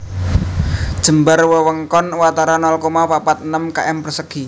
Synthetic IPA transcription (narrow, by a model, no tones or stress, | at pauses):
d̥ʒ̥ə̤mbarwəwəŋkɔnwat̪aɾanɔlkomapapat̪ənəmka̰ʔɛmpərsəɡ̥i